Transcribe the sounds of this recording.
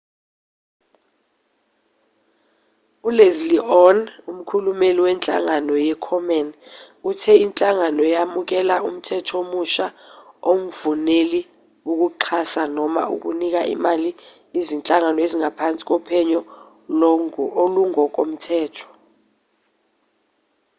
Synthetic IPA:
ulezliʔɔnum̩kʰulumeliwɛnt͡ɬʼa̰ŋanɔjɛkʰɔmɛn | utʰɛint͡ɬʼaŋanɔjamuk̬ɛlaum̩tʰɛtʰomuʃa | om̩vuneli | uk̬uǃʰasanɔma̰ṵk̬ṵnik̬aʔḭmali | izint͡ɬʼaŋanɔeziŋʱapʰant͡sʼi̥k̬ʼɔpʰɛɲɔ | loŋoluŋɔk̬ʼom̩tʰɛːtʰɔ̥

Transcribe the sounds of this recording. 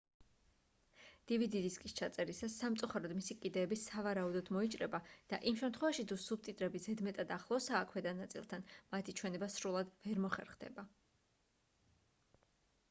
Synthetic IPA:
d̪̥ivid̪iɾiskʼist͡ʃʰat̪sʼɛɾisasːamt̪sʼuχaɾɔd̪misikʼid̪ɛːbisavaɾaud̪ɔd̪̥mɔit͡ʃʼɾɛbad̪̥a̰ʔimʃɛmt̪ʰχwɛvaʃit̪ʰusub̚t̪ʼit̪ʼɾɛbizɛd̪mɛt̪ʼad̪aχlˠɔsaːkʰwɛd̪anat̪sʼḭlˠt̪ʰanmat̪ʰit͡ʃʰwɛnɛbasɾulˠad̪vɛɾmɔχɛɾχd̪ɛ̰ba

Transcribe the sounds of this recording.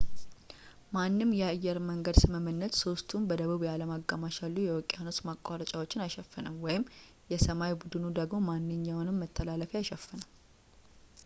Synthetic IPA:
manːɨmːjɛajːɛɾməŋɡəd̪sɨməmɨnːət̪so̞st̪ʰumbəd̪əβuβjaləmaɡːamaʃalːujɛwɔkʼːejanot͡ʃ̪makʼːaɾət͡ʃʼawo̞t͡ʃːɪnajʃɛfːɨnəmwɔjɪm | jɛsəmajbud̪ɨnud̪əɡmo̞manːɨɲːawnɨmːət̪ʰːəlaləfiajʃɛfːənəm

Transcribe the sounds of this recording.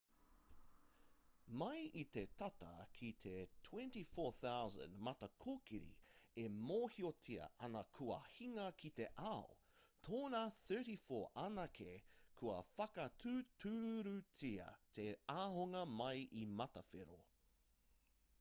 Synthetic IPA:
mɐjit̪etɐt̪ɐ̰kʰit̪ʰetʰw̥ɛ̃ntifoːθawzə̰̃ndmɐt̪ɐkʰokiɾḭemoːhiot͡siɐ̰ʔɐnɐkʰuɐ̰hiŋɐkʰit̪eʔao̰ | t̪ʰoːnaːθɜ˞ɾifoːʔɐnɐkʰekʰuɐ̰fɐkɐtʰʉːtʰʉːɾʉt͡siɐ̰t̪ʰeaːɦoŋɐmɐjʔimɐt̪ɐfḛɾo̰

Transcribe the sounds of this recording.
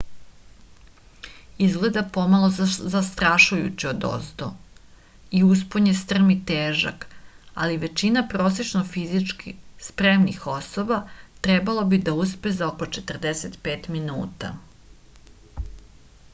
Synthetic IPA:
izɡle̞d̪apo̞malˠozast̪ɾaʃujṵt͡ɕiod̪o̰st̪o̰ | ius̬poɲest̪r̩mit̪eːʒa̰ka̰liʋe̞t͡ɕinapɾoːset͡ʃnofizit͡ʃkspɾemnixo̞sobat̪ɾe̞balˠobid̪auspezaoko̞t͡ʃe̞t̪r̩d̪eset̪pe̞ːt̪minṵːt̪a̰

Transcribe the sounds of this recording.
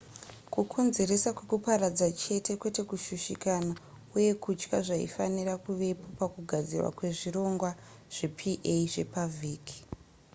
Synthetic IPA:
kukʰo̞nze̞ɾe̞sakwe̞kupaɾad͡zat͡ʃe̞tʰe̞kwe̞te̞kuʃuʃikana | uje̞kut͡ʃkaʐaḭfanirakuʋe̞po̞pakuɡʱad͡zḭrwa̰kwe̞ʐiro̞ŋɡwa | ʐ̥e̞pʰiʔeiʐe̞̰paviːkʰi̥

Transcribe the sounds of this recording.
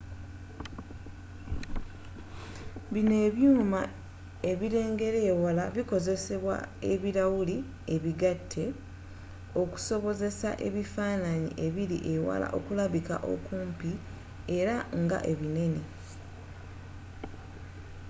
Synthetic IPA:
βine̞ːβjuːma | e̞βiɾe̞ːŋɡe̞ɾeːwalaβiko̞ze̞se̞βwa̰e̞̰βiɾawuli | e̞βiɡatʰːe̞ | o̞ku̥so̞βo̞ze̞sa̰ʔe̞̰βifaːnaɲḭʔe̞βiɾḭʔe̞wa̰la̰ʔo̞̰kulaβika̰ʔo̞̰kuːmpi | e̞ɾaŋɡa̰ʔe̞βine̞ne̞

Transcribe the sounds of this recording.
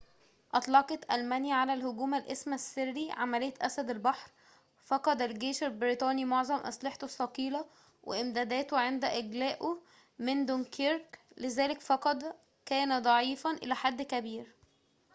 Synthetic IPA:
ʔɑt̪ˤlɑqɑt̪ʔælmænjæʕalælhoɡuːmælʔesmæsːerːiʕamælejːæt̪ʔæsæd̪ælbɑħɾ | fɑqɑd̪ælɡeːʃælbɾit̪ˤɑːnimoʕzˤɑmʔæ̰sˤlɑħt̪osːɑqiːlɑ | wʔḛʔɪmd̪æːd̪æːt̪oʕend̪æʔɪɡlæːʔo | mend̪onkʰeɾklezæːlekfɑqɑd̪ | kæːnæd̪ˤɑʕiːfɑnʔḛlæħad̪ːkæbiːɾ

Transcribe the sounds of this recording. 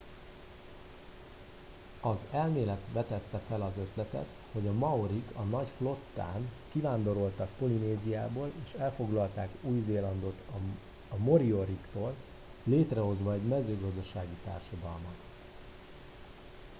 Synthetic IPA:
ɒzɛlmeːlɛt̪ʋɛt̪ɛt̪ːɛfɛlɒzø̞t̪lɛt̪ɛ̰t̪ | ho̞ɟɒmɒoɾikʰɒnɒcflo̞t̪ːa̰ːnkivaːnd̪o̞ɾo̞lt̪ɒkpo̞lineːzijaːboːleːʃɛlfo̞ɡlɒlt̪aːkuːjzeːlɒnd̪o̞t̪ | ɒmo̞ɾio̞ɾikt̪oːlː | eːt̪rɛɦo̞zʋɒɛɟmɛzøːɡɒzd̪ɒʃaːɡit̪a̰ːrʃod̪ɒlmɒt̪

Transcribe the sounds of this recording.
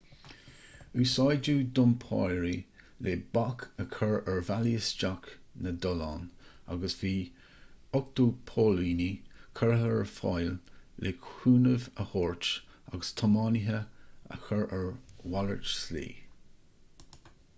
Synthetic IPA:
ʉːsɑjd͡ʒuːd̪ʊmpʰɑ̰ɹi | lʔeːbakʰəkʰəɹəɹvaliəsd͡ʒak | nəd̪ɔlɑ̰ːn | a̰ɡəsv̥iː | ʊk̚t̪uːpʰoːliːnikʰəɹɦəɹfɑ̰jlːʔeːkʰuːnəvəhɔːɹt͡ʃa̰ɡəst̪ʰɔmɑniɦəə̰xəɹəɹwaləɹt͡ʃslḭː

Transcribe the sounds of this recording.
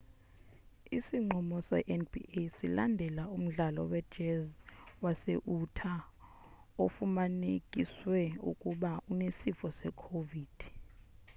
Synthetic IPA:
isiŋ͡ǃʱɔmɔsɔɛʔɛnbḭʔesilandʱɛlaum̩ɮalɔ̰wɛd̥ʒ̥ɛzwaseʔutʰa | ofumanekʼiswɛṵkʼuɓaunesifɔsɛkʰoviːd̥ʱ

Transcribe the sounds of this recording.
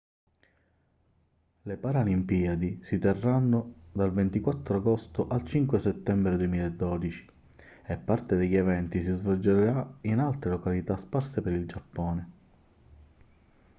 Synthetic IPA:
lepaɾalimpiːad̪isit̪erːanːod̪alvent̪ikwat̪ːɾoaɡɔst̪oʔalt͡ʃiŋkweset̪ːɛmbɾed̪uemiːlaed̪ːɔːd̪it͡ʃi̥ | epːart̪ed̪eʎːevɛnt̪isizvɔld͡ʒeɾeɾainalt̪ɾelokalit̪asparsepeɾild͡ʒapːɔːne

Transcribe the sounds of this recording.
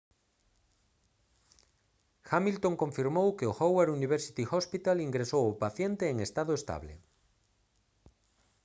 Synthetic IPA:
xamilt̪oŋkõɱfiɾmowkeoxoweɾuniβ̞eɾsi̥t̪ixɔspit̪aliŋɡɾesowopaθjent̪eːŋest̪aðoest̪a̰βlḛ

